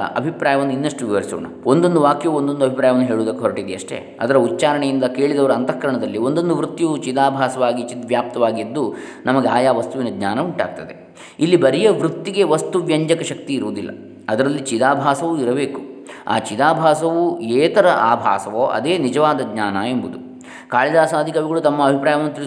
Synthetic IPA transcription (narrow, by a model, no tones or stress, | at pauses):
ɐ̰bʱipɾaːjɐʋɐnːuinːɐʂʈuʋiʋɐɾiso̰ːɳɐo̞nd̪o̞nd̪uʋaːkjɐʋuond̪o̞nd̪uɐbʱipɾaːjɐʋɐnːuɦe̞ːɭuʋːd̪ɐkːeɦɔɾɐʈid̪ɛɐʂʈḛ | ɐd̪ɐɾɐutːt͡ʃaːɾɐɳejind̪ɐke̞ːɭid̪ɐʋɐɾuɐnt̪ɐkʂɐɳɐd̪ɐlːio̞nd̪o̞nd̪uʋɾut̪ːjiʋut͡ʃid̪aːbʱaːsɐʋaːɡit͡ʃit̪ɐʋjaːp̚t̪ɐʋaːɡid̪ːunɐmɐɡeaːjaːʋɐst̪uʋinɐɡɲaːnɐuɳʈa̰ːɡ̚t̪ɐd̪e | ilːibɐɾijɐʋɾut̪ːiɡe̞ʋɐst̪uʋjɐɲd͡ʒɐkɐʃɐk̚t̪iːɾuʋud̪ilːɐ̰ | ɐd̪ɐɾɐlːit͡ʃid̪aːbʱaːsɐʋuiɾɐbe̞ːkua̰ːt͡ʃid̪aːbʱaːsɐʋueːt̪ɐɾɐʔaːbʱa̰ːsɐʋoːʔɐ̰d̪eːnid͡ʒɐʋaːd̪ɐɡɲaːnɐe̞mbud̪u | kaːɭid̪aːsaːd̪ʱikɐʋiɡɐɭut̪ɐmːɐːbʱipɾaːjɐʋɐnːut̪iɾ